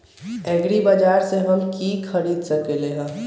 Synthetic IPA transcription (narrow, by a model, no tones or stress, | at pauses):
ɛːɡɾibad͡ʒaːɾseɦɐmkiːkʰɐɾiːd̪sɐkeleɦɛ̃ː